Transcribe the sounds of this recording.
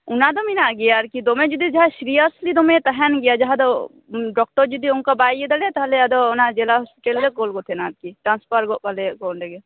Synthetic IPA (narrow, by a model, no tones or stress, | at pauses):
ʊnad̪ominaɡijaɾkid̪omẽd͡ʒud̪id͡ʒɐɦaʃɾijəslid̪omẽt̪ɐɦɛnɡijad͡ʒɐɦad̪o | ɖɔk̚ʈəɾd͡ʒud̪iunkabaːied̪ɐlet̪ɐɦleɐd̪onad͡ʒelaɦɔspiʈəlːekoːlɡot̪ʰenaːt̪̚kiʈɾãːnspəɾɡopɐlekoːnɖeɡe